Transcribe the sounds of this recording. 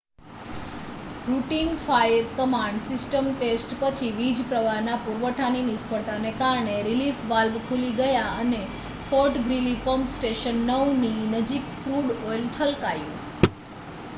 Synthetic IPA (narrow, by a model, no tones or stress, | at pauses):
ɾuʈiŋɡfajəɾkəmãɳɖsɪsʈəmʈesʈpət͡ʃʰiʋid͡ʒpɾəʋaɦnapuɾʋəʈʰaninɪspəɽt̪anekaɾɳeɾilifʋalʋkʰuliɡəjaəne | fɔɾʈɡɾilipəmpsʈeʃənːəʋninəd͡ʒikpɾuɽojlt͡ʃʰəlkajṵ̃